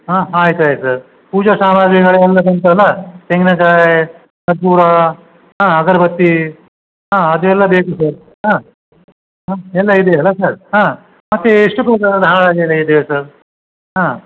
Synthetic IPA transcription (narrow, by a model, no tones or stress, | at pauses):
ɦãːaːjt̪uaːjt̪usɐɾ | puːd͡ʒɐsaːmaɾɡiɡɐɭeɛlːɐs̬ɐnt̪uɦɐlːat̪eŋɡnɐkaːɾe | t̪ɐd̪̚puːɾa | ɦãːɡɐɾbɐt̪ːi | ɦãːɐd̪uɛlːɐbeːkusɐɾ | ɦãː | ɦãːɛlːɐid̪eɐlːasɐɾɦãː | mɐt̪ːeiʂʈupɐkɐd̪ʱaɭaːɡeelːɐid̪ejesɐɾ | ɦãː